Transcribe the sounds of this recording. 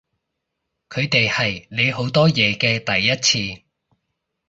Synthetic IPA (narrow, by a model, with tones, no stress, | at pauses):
kʰɵ˨˧ɥt̪e˨jhɐ˨jne˨˧jɦo˨˥wt̪ɔː˥jɛː˨˧kɛː˧t̪ɐ˨jːɐ˥t̚t͡sʰiː˧